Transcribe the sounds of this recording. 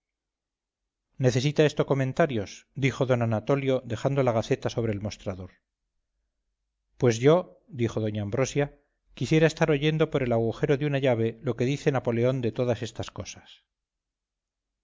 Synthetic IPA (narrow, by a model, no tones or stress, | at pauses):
ne̞θe̞s̬it̪ae̞st̪o̞ko̞mẽ̞nt̪aɾjo̞sd̪ixo̞ðo̞nanat̪o̞ljo̞ðe̞xand̪o̞laɣ̞aθe̞t̪aso̞β̞ɾe̞ːlmo̞st̪ɾaðo̞ɾ | pwe̞zʝo̞ | d̪ixo̞ðo̞ɲaːmbɾo̞sja | kisje̞ɾae̞st̪aɾo̞ʝe̞nd̪o̞po̞ɾe̞laɣuxe̞ɾo̞ðjunaʝaβ̞e̞lo̞ke̞ðiθe̞napo̞le̞o̞nd̪e̞t̪o̞ðase̞st̪asko̞sḁs